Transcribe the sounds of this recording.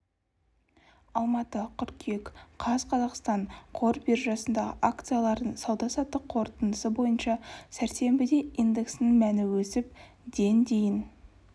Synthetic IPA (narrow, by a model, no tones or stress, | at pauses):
ɑlˠmɑt̪əqʲʰʏɾkʲʰe̞kqʰɑzqʰɑzɑqst̪ɑɴqʰo̞ɾbiɾʒɑsənd̪ɑʁə̰ʔak̚t̪sɨjalˠɑɾd̪əɴsɑwd̪ɑsɑt̪ːəqʰo̞ɾt̪ənd̪əsəbo̞jənʃɑsæɾse̞mbɪd̪e̞ijnd̪e̞ksnɪŋmænɪwɵsɪp | d̪e̞nd̪e̞jɪn